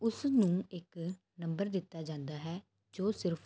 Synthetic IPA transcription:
ʊsnũːɪk | nə̃mbəɾd̪ɪt̪ːaːd͡ʒãːnd̪aːɦɛː | d͡ʒoːsɪɾpʰ

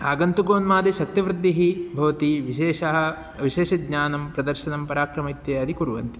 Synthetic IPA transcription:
aːɡɐnt̪uɡoːnmaːd̪eʃɐk̚t̪iʋɾɪd̪ːiɦibʱɐʋɐt̪iʋieːʃɐɦɐ | ʋiʃeːʃɐɡɲaːnɐmpɾɐd̪ɐɾʃɐnɐmpɐɾaːkɾɐmit̪jɐɐd̪ikuɾuʋɐ̰nt̪i̥

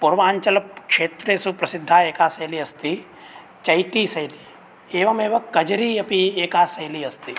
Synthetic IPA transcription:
pʊɾʋaːɲt͡ʃɐlɐp̚kʃeːt̪ɾesupɾɐsɪd̪ʱːaːeːkaːsɐjliɐst̪i | t͡ʃɐjʈiːsɐjli | eːʋɐmeːʋɐkɐd͡ʒɾiɐpieːkaːsɐjliɐst̪iː

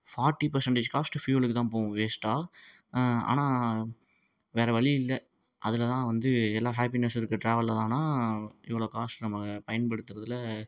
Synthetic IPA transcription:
faːɾʈːipɐɾsɐɳʈeːd͡ʒkaːsʈɯfjuːlɯkːɯt̪ãːpoːʊ̃ʋeːsʈaː | a̰ːnaː | ʋeːɾɐʋɐɭiɪlːɐ | ʔɐðɪlɐt̪ãːʋɐnd̪ɯɛlːaːɦaːpinɐsɪɾɯkːɯʈɾaːʋɐlːɐt̪ãːnaːɪʋːɐɭoːkaːsʈnɐmːɐpɐjɐnpɐɽɯt̪ːɯɾɐðɯlɐ

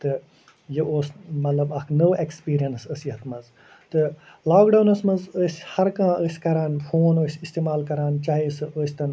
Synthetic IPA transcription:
t̪ɨ | jiʔoːsmɐt̪lɐbɐkʰnoːʔekspiːɾijɐnsɐsiɦɐt̪ʰmɐz | t̪ɨ | laːkɖɐːnɐsmɐzəsʲhɐɾkãːʔəsʲkɐɾaːnfʰoːnoːsʲist̪eːmaːlkɐɾaːnt͡ʃaːɦisɨoːsʲt̪ɐn

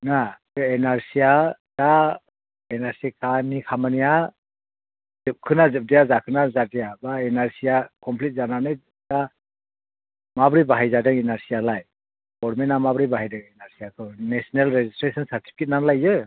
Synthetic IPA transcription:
nakɯɛnaɾsijad̥a | ɛnaɾsikʰanikʰamanija | z̥ɯp̚kʰɯnazɯp̚dijazakʰɯnazadijabaɛnaɾsijakɔmpʰlit̚zananaj | da | mabɾibaɦajzadɯŋɛnaɾsijalaj | ɡɔɾmɛnamabɾibaɦajdɯŋɛnaɾsijakʰɯnɛsɔnelɾezistɾesʰɔnsaɾtʰi̥pʰi̥kʰit̚nanlajɯ

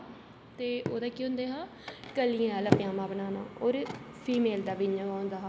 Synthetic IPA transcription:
t̪eːʔo̰ːd̪aːkiːʊ̃nd̪eːɦaː | kəliãləpjãːmãːbənaːna̰ːoːɾpʰiːmeːld̪aːʋiɲəɡaːʊnd̪aːɦː

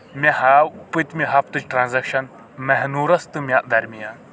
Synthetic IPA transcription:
mʲɐhapɨt̪ʲmʲiɦɐp̚t̪ɨt͡ʃʈɾaːnzɐkʃɐn | mɛɦnuːɾɐst̪ɨmʲaʔd̪ɐɾmija

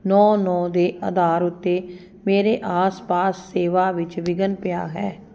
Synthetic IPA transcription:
nɔːnɔːd̪eːʔə̰d̪aːɾʊt̪ːeː | meːɾeːʔaːspaːsːeːʋaːʋɪt͡ʃʋɪɡənpɪja̰ːɦɛː

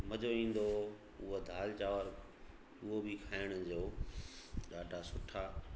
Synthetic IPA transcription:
mɐd͡ʑoĩːn̆d̪o | ʊɦod̪ʱaːlt͡ɕaːʋəɾ | ʊɦobɪkʰaːɪɽ̃ʊ̆d͡ʑoː | ɗaːɖʱasʊʈʰaː

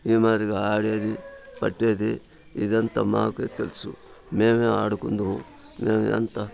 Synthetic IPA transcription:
iːmaːɾiɡeaːɽijɐd̪ipɐʈːed̪i | ḭd̪ɐnt̪ɐma̰ːket̪elsṵ | meːmeaːɽukund̪uu | meːmeɐ̰nt̪ɐ

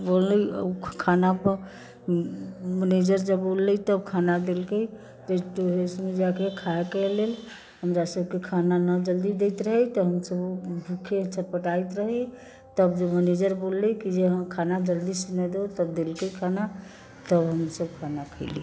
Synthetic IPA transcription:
bolːəə̰kʰanapəɾ | məned͡ʒəɾd͡ʒəbbolːət̪əbkʰanad̪elkəj | t̪eʈoɦesmed͡ʒakekʰaekelel | ɦəmɾasəbkekʰananəd͡ʒəld̪id̪ɛɪt̪ɾəɦɛt̪ɔɦəmsəbbʱukʰet͡ʃʰəpəʈajt̪ɾəɦɛ | t̪əbd͡ʒəməned͡ʒəɾbolːəkid͡ʒeɦəmkʰanad͡ʒəld̪isnɛd̪et̪əb̚d̪elkəjkʰana | t̪əbɦəmsəbkʰanakʰəɪli

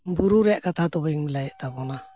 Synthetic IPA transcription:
mbuɾuɾeakatat̪oβajŋmilajt̪abona

